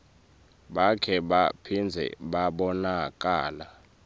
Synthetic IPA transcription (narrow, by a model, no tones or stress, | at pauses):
ɓakʰɛɓapʰind͡zʱɛ̰ɓaɓɔnak̬ʼaːla